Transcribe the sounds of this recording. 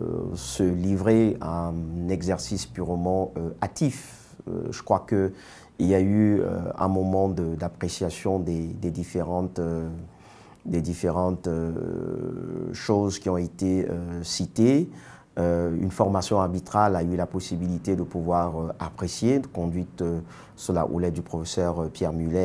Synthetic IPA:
səlivʁeanɛɡzɛʁsispyʁmɑ̃øat̪if | ø̰ʒəkχwakə | iljayø̰ɛ̰̃mɔmɑ̃d̪əd̪apχesjasjɔ̃d̪ed̪ed̪ifeʁɑ̃t̪ø | d̪ed̪ifeʁɑ̃t̪ø | ʃozkʲiɔ̃et̪eø̰sit̪e | øy̰nfɔʁmasjɔ̃aʁbit̪χalaylapɔsibilit̪ed̪əpuvwaʁøapχesjed̪əkɔ̃d̪ɥit̪ø | suʁla̰ʔṵlɛt̪̚d̪ypχɔfesœʁpjɛʁmylɛ

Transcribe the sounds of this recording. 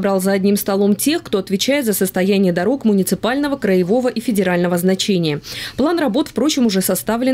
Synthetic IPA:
bɾɑlˠzəɐdʲnʲimst̪ɐlˠo̞mtʲe̞xkt̪o̞ɐt̪vʲɪt͡ɕæjɪt̪zəsəst̪ɐjænʲɪjəd̪ɐɾo̞kmʊnʲɪt̪sɨpalʲnəvəkɾəjɪvo̞vəʔifʲɪdʲɪɾalʲnəvəznɐt͡ɕenʲɪjəplˠanrɐbo̞t̪fpɾo̞t͡ɕɪmʊʐɛsɐst̪avlʲɪ

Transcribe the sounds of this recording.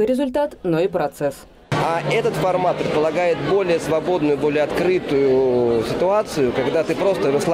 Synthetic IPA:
ɨɾʲɪzʊlʲt̪at̪noipɾɐt̪sɛs | aʔɛt̪ət̪fɐrmat̪̚pɾʲɪt̪pəlˠɐɡajɪt̪̚bo̞lʲɪjəsvɐbo̞d̪nʊjʊbo̞lʲɪjəɐt̪kɾɨt̪ʊjʊsʲɪt̪ʊat̪sɨjʊkɐɡd̪at̪ɨpɾo̞st̪əɾəslˠ

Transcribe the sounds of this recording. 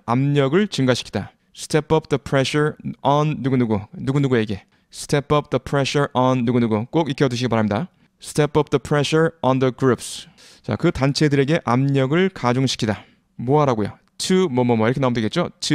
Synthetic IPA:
amɲʌɡɯɭt͡ɕɯŋɡaɕʰi̥kʰi̥d̥a | sɯ̥tʰepʌp̚ʰðʌpʰɾeɕʰʌɾʌnːuɡunuɡunuɡunuɡue̞ɡe̞ | sʰɯ̥tʰepʌp̚ʰdʌpʰɾeɕʌɾʔʌnːuɡunuɡuk͈oɡik͈ʰjʌduɕ̬ʰiɡipaɾamida | sɯ̥tʰepʌp̚dʌpʰɾeɕʌɾʌndʌɡɾups | t͡ɕa̰kɯtant͡ɕʰe̞dɯɾe̞ɡe̞ʔamɲʌɡɯɭkad͡ʑoŋɕʰi̥kʰida | moaɾaɡojo̰ | t͡ɕʰɯmʌmʌmʌiɾʌkʰenaumdeɡe̞t̚t͡ɕ͈ot͡ɕʰɯ

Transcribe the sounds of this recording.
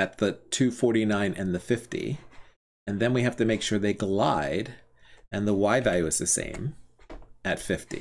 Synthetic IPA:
ɨt̪̚ðɨtʰʉfɔɹɾinãɪ̃nʔɨ̰̃nðɨfɪftḭ | ɨ̃nðɨ̃nwiɦæftɨmeɪkʃʊɹðeɪɡlaɪɾ | ɨ̃nðəwaɪvælˠjʉɨz̥ðɨsḛ̃ɪ̃m | ɨtfɪftḭ

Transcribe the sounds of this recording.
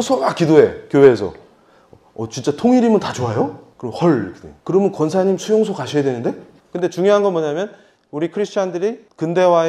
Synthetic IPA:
sʰʌak͈idoe̞kjowe̞ːsʰʌ̰ | ʌt͡ɕint͡ɕ͈atʰoŋiɾimɯntat͡ɕoajokɯɾʌmhʌɭkɯdḛkɯɾʌmɯnkwʌnsʰaɲimsʰujoŋsʰokaɕʰijadwenɯnde̞ | kɯnde̞t͡ɕuŋjoɦanɡʌnmʌɲamjʌn | uɾikʰɯɾisʰt͡ɕʰandɯɾikɯnde̞wa

